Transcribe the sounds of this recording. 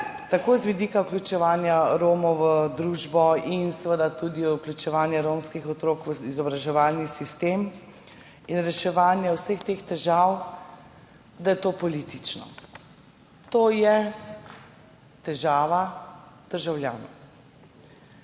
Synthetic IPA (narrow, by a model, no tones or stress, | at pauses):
t̪akoːzʋid̪iːkauklʲut͡ʃɛʋaːnjaɾoːmɔwʋəd̪ɾuːʒbɔinsəʋəd̪at̪ud̪iuklʲut͡ʃɛʋaːnjɛɾomskixɔt̪ɾoːkʋəizɔbɾaʒɛʋalnisist̪eːm | inɾɛʃɛʋaːnjɛwsəxt̪eːxt̪ɛʒaw | d̪ajɛt̪oːpɔlit̪it͡ʃnɔ̰ | t̪oːjɛ | t̪ɛʒaːʋad̪̥əɾʒawlʲja̰ːnɔ